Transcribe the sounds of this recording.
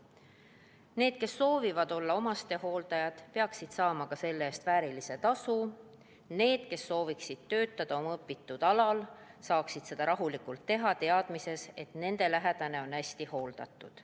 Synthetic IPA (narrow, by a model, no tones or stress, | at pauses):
ne̞ːd̪̥̚ke̞sːo̞ːvivɑd̪o̞lːɑo̞mɑst̪e̞ho̞ːld̪̥ɑjɑt̪pe̞ɑksid̪̥sɑːmɑkɑse̞lːeeːst̪væːɾilise̞t̪ɑsu | ne̞ːd̪̥ke̞sːo̞ːviksid̪̥̚t̪ø̞ːt̪ːˑɑd̪̥ɑo̞mɤpːˑit̪ːud̪̥ɑlɑlsɑːksid̪̥se̞d̪̥ɑɾɑɦulikult̪ːe̞ɦɑt̪e̞ɑd̪̥mise̞se̞t̪ne̞nd̪e̞læɦed̪̥ɑne̞o̞næsʲt̪iho̞ːld̪ɑ̰t̪ːˑud̪̥